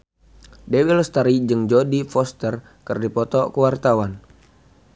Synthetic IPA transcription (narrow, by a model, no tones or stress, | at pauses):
dewilst̪aɾid͡ʒɨŋd͡ʒɔdifɔst̪ər | kɨrdipɔt̪ɔkəwart̪awan